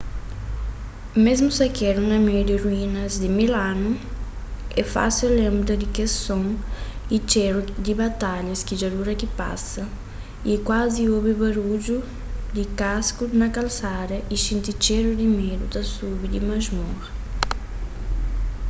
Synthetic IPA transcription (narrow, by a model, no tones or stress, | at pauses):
mezmusakɛɾunɐmɛɾd̪ɪɾuinɐzd̪ɪmilanu | ɛfa̰silɛ̃mbɾɐd̪ɪkesõŋit͡ʃɛɾud̪ibat̪aʎɐskid͡ʒaɾuɾɐkipa̰sɐ | ikwaziobɪbaɾud͡ʒu | d̪ɪkaskunɐkalsaɾɐʔisĩnt̪it͡ʃɛɾud̪imɛɾṵd̪ɐsubid̪imazmuɾ